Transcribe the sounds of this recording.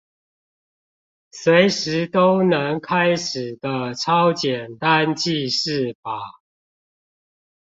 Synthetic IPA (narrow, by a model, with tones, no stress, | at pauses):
swe˨˦ɪʂɻ̩˨˦t̪o˦ʊnə˧˦ŋkʰa˦ɪʂɻ̩˨˩d̪ə˦ʈ͡ʂʰɑ˦ʊt͡ɕjɛ˨˩nt̪a˦nt͡ɕi˥˧ʂɻ̩˥˨fa˨˩˦